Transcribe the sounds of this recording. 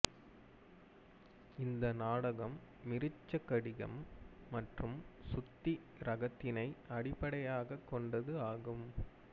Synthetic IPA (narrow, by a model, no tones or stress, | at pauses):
ɪnd̪ɐnaːɽɐɣɐmːɪɾɪt͡ʃːɐkːɐɽɪɣɐ̰mːɐʈrɯmsʊt̪ːi | ɾɐɣɐt̪ːɪnɐɪɐɽɪpːɐɽɐjaːɣɐkːɔɳɖɐðɯaːɣɯm